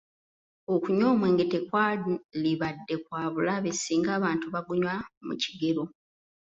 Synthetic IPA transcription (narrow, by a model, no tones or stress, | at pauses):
okuɲo̞ːmwe̞ːŋɡe̞tekwaliβadːe̞kwaːβulaβe̞siːŋɡaːβaːntuβaɡuɲwamṵciɡe̞ɾo̞